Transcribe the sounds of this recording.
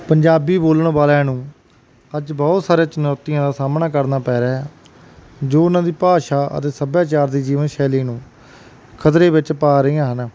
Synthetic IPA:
pəɲd͡ʒaːbiːboːləɳbaːlɛ̃ːnũː | əd͡ʒbɔːt̪saːɾejãːt͡ʃənɔːt̪ːɪjãːd̪aːsaːmnaːkəɾnaːpɛːɾaː | d͡ʒoːʊnãːd̪iːpaːʃaːʔə̰t̪eːsəbjaːt͡ʃaːɾd̪iːd͡ʒiːʋənʃɛːliːnũː | kʰət̪ɾeːʋɪt͡ʃpaːɾəĩːãːɦən

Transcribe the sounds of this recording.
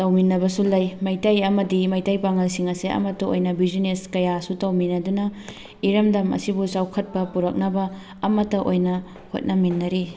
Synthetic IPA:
tɐwminːɐbɐsulɐjmɐjtɐjɐmɐdimɐjtɐjpaŋɐlsiŋɐseʔɐ̰mɐtːɐo̰jnɐbizineskɐjasutɐwminɐdunɐ | iɾɐmdɐmɐ̰sibusawkʰɐt̚pɐpuɾɐk̚nɐbɐː | mɐtːɐʔojnɐ | ho̰t̚nɐminːɐɾi

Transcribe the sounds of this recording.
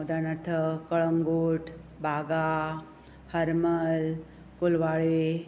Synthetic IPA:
d̪anɐɾt̪ʰəkəɭəŋɡoːʈʰbʱaɡa | həɾməl | kulʋaːɭe

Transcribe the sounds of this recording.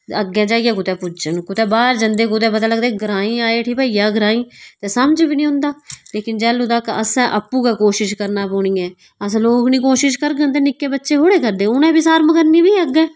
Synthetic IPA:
əɡːɛ̃ːd͡ʒaːijɛːkʊt̪ɛːpʊd͡ʒənkʊt̪ɛːbaːɾd͡ʒənd̪eːkʊt̪̬ɛːpəd̪aːləɡd̪eːɡəɾaːĩːaːeːʈʰiːpəːijaːɡəɾãːĩːt̪eːsəmd͡ʒbiːnĩːɦʊ̃ːnd̪aːleːkɪnd͡ʒɛːlud̪aːkəsɛ̃ːʔəpːuːkɛːkoːʃɪʃkəɾnaːpoːɳiːɛ̃ː | əsːloːknĩːkoːʃɪʃkəɾɡənt̪̬eːnɪkːeːbətːʃeːɦoːɽeːkəɾd̪ẽːʊnɛ̃ːbiːsaːɾmkəɾnĩːbiːəɡɛ̃ː

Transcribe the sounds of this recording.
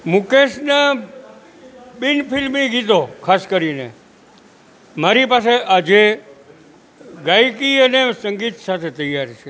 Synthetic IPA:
mũkeʃna | ɓinpɪlmiɡit̪okʰaskəɾinḛ | maɾipas̬eʔad͡ʒe | ɡajkiənesəŋɡit̪sat̪ʰet̪əjaɾt͡ʃʰe

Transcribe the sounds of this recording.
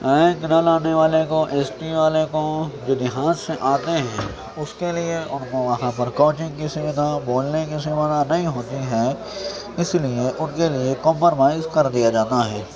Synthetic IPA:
ɛ̃ːknɐlaːneʋaːlekoʔeːsʈiʋaːlekod͡ʒoːd̪ɪɦãːd͡ʒsẽʔaːt̪eɦɛ̃ | ʊskelieʊnmõʋɐɦãpɐɾkoːt͡ʃɪ̃ŋɡkisɪʋɪt̪aboːlnekisɪʋət̪anɐɦĩɦoːt̪iɦɛ | ɪslieʔʊnkelɪekomːəɾmaːɪzkɐɾd̪ijad͡ʒaːt̪aɦɛː

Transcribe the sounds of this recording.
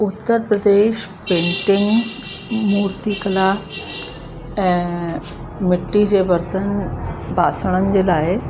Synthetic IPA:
ut̪ːəɾpɾəd̪eːʃpẽɳʈɪŋɡ | muːɾt̪ikəla | ɛ̃ | mɪʈːid͡ʑeʋəɾt̪ənbʱasəɽ̃ənɪ̆d͡ʑelaːe

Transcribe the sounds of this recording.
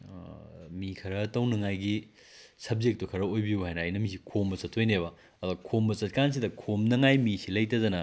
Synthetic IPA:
mikʰɐɾɐtɐwnɐŋajɡi | sɐb̚zek̚tukʰɐɾɐojbiuhajnɐajnɐmis̬ikʰombɐsɐtʰojneβɐ | ɐduɡɐkʰombɐsɐt̚kans̬idɐkʰomnɐŋajmisilɐjtɐdɐnɐ

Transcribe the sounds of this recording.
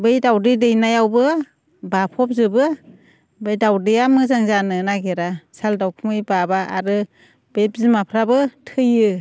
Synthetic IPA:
bɯjdawdɯdɯjnajawbɯ | bapʰɔp̚zɯbɯ | bɯjdawdɯjamɯzaŋzanɯnaɡeɾasaldawkʰɯmɯjbabaʔa̰ɾɯ | b̥epzimapʰɾabɯtʰɯjɯ

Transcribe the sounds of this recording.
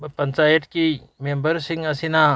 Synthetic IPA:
pənt͡ʃajeʈki | membəɾsĩŋɡɐsĩna

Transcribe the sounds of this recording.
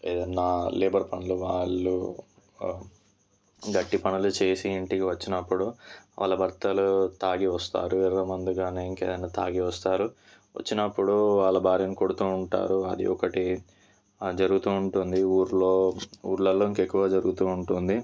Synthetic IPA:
ḛːd̪ɐnːaːleːbɐɾpɐnuluʋaːɭːu | ɡɐʈːipɐnulut͡ʃeːsiːɳʈikiʋɐt͡ʃːinɐpːuɽuʋa̰ːɭːɐbʱɐɾt̪ɐlut̪aːɡiʋɐst̪a̰ːɾuɛɾɐːmɐnd̪iɡaːneːiŋkeːd̪ɐnːaːt̪aːɡiʋɐst̪aːɾu | ʋɐ̰t͡ʃːinɐpːuɽuʋaːɭːɐbʱaːɾijɐniko̞ɽut̪uːɳʈa̰ːɾuɐ̰d̪ḭɔkɐʈi | d͡ʒɐɾuɡut̪uːuɳʈund̪iuːɾlo̞ːṵːɾlɐlːoːiŋkekːuʋaːd͡ʒɐɾuɡut̪uːɳʈund̪i

